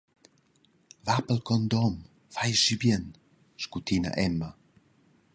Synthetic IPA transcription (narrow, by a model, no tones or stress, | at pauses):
vapəlkɔnd̪ɔm | fajʃibjən | ʃkut̪ina̰ʔɛma